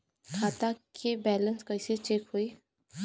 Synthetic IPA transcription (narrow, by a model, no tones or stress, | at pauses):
kʰaːt̪akʰebɛːlə̃nskɐɪset͡ʃeːkɦoːiː